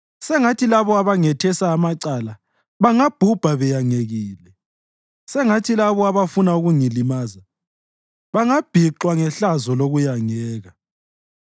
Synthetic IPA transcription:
sɛŋatʰilaβɔaβaŋɛtʰɛsaːmaǀala | βaŋab̥ʱub̥ʱaβɛjaŋeɣiːlɛ | sɛŋatʰilaβɔaβafunauɣuŋilimaːza | βaŋab̥ʱiǃwaŋɛɬazɔloɣujaŋɛːɣa

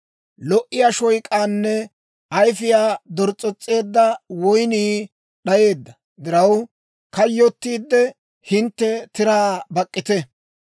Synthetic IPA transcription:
lɔʔɪjaːʃɔjkʼːaːnːɛ | ɐjfɪjaːd̪ɔɾt͡sʼːɔt͡sʼːe̞ːd̪ːɐwɔjniː | ɗɐje̞ːd̪ːɐ | d̪ɪɾɐw | kɐjːɔt̪ːiːd̪ːɛ | hɪnt̪ːɛt̪ɪɾaːbɐkʼːɪt̪ɛ

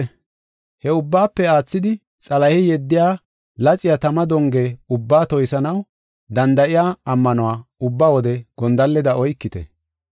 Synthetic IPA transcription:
hɛʊbːaːpːɛaːt͡sːɪd̪ɪ | t͡sʼɐlɐhɪjɛd̪ːɪjaː | lɐt͡sʼːɪjat̪ɐmɐd̪ɔŋɡeːʊbːaːt̪ɔjsɐnɐw | d̪ɐnd̪ɐʔɪjaːɐmːɐnʊwaːʊbːaːwɔd̪ɛɡ̥ɔnd̪ɐlːɛd̪ɐɔjkːɪt̪ɛ̰

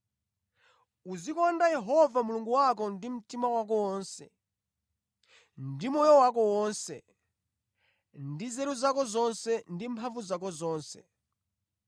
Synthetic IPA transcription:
uzikɔndajɛɦɔvamuluŋɡuwak̬ɔndim̩timawak̬ɔwɔːnsɛ̰ | ndimɔjɔwak̬ɔwɔnsɛ̰ | ndizɛɾuzakɔzɔnsɛndimpʰaɱvuzak̬ɔzɔːnsɛ̰

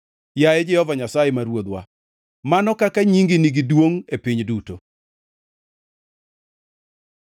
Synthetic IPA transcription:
jajɛd͡ʒɛhɔvaɲasajemaɾwod̪wa̰ | manɔkakaɲiŋɡiniɡidwoŋepiɲduto

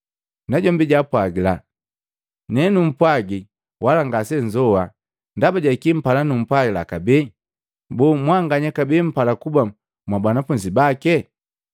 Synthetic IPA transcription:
naɟɔmbiɟapwaɡila | nɛnum̩pwaɡi | walaŋɡasɛɲd͡ʒɔwa | ndabaɟaikim̩palanum̩pwaɡilakabɛ | bumwaŋɡaɲɛkabɛm̩palakuba | mwabwanafuɲd͡ʒibakɛ

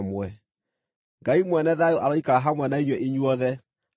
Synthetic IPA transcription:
mwɛ | ŋɡaimwɛnɛðajoʔaɾɔikaɾaɦamwɛnaiɲwɛʔeɲuɔðɛ

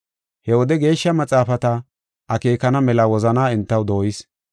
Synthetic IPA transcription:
hɛwɔd̪ɛɡe̞ːʃːɐmɐt͡sʼaːfɐt̪ɐ | ʔɐkeːkɐnɐmɛlɐwɔzɐnaːɪnt̪ːɐwd̪o̞ːjɪs

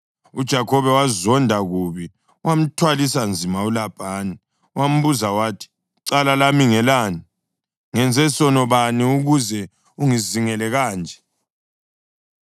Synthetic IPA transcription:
ud̥ʒ̥ʱakʰɔβɛwazɔndʱaɣuβi | wam̩tʰwalisand͡zʱimaulab̥ʱaːni | wam̩βuzawaːtʰi̥ | ǀalalamiŋɛlaːni | ŋɛnd͡zʱɛsɔnɔβaniuɣuzɛ | uŋiziŋɛlɛɣaːnd͡ʒʱɛ̥

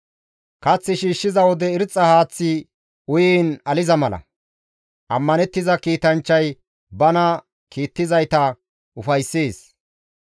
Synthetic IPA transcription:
kɐt͡sːɪʃiːʃːɪzɐwɔd̪ɛɪɾt͡sʼːɐhaːt͡sːɪ | ʊjiːnɐlɪzɐmɐlɐ̰ | ʔɐmːɐnɛt̪ːɪzɐkiːt̪ɐnt͡ʃːɐj | bɐnɐ | kiːt̪ːɪzɐjt̪ɐ | ʔʊfɐjsːeːs

